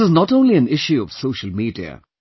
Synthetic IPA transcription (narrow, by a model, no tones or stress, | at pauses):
ɪznɔʈõʊ̃nliə̃nɪʃjuɔʋ̥soːʃəl̩miːdiə̰